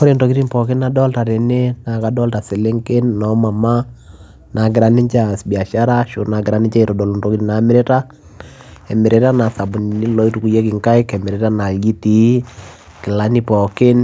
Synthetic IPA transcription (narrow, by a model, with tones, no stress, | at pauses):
kɔ˦ɾe˦ntɔ˨ki˦ti˦npɔ˨kɪ˦na˨dɔ˦lta˨ɾe˨ne˦na˨ka˨dɔ˦lta˨sɪ˨le˦ŋkɪ˦nnɔ˦ma˨ma˦ | na˨ɡɪ˨ɾa˦ni˦ɲt͡ʃa˦˨sbi˨a˨ʃa˦ɾa˦ʃʊ˦na˨ɡɪ˨ɾa˦ni˦ɲt͡ʃa˦i˨tɔ˨dɔ˨lu˨nto˦ki˦ti˦na˨˦mɪ˦ɾe˦ta˦ | ɛ˨mɪ˨ɾe˦ta˦na˨sa˨bʊ˨n˨ni˦lɔ˦i˦tu˨ku˨je˦kɪ˨ŋka˦ɪ˦kɛ˨mɪ˨ɾɛ˦ta˦na˨ɡi˦ti˨˦ | kɪ˨la˦ni˦pɔ˨kɪ˦n